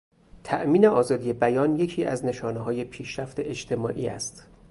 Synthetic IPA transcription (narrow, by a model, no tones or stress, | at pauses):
t̪ʰæʔmiːne̞ʔɒːzɒːd̪ije̞bæjɒːnje̞cʰiːʔæ̰zne̞ʃɒːneɦɒːje̞pʰiːʃɾæft̪e̞ʔed͡ʒt̪ʰe̞mɒːʔḭːæ̰st̪